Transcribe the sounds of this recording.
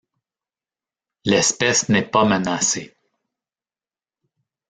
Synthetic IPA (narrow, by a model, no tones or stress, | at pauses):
lɛspɛsnɛpamənase